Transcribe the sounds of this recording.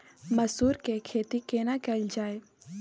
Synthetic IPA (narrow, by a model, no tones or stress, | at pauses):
mɐsuːɾkekʰeːt̪ikeːnakɛld͡ʒaːe